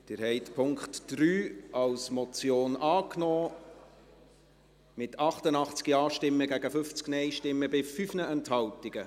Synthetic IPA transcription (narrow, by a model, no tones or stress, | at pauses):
d̥ɪːɾhɛɪtpʰʊŋkχtd̥ɾyːʔɑwsmɔt͡sjoːnʔɑːknɔː | mɪtʰɑχtənɑχt͡skiɑːʃtɪmːəɡæɡəfʏft͡sknɛɪʃtɪmːəbɪfyfnəɛnthɑltiɡ̥ə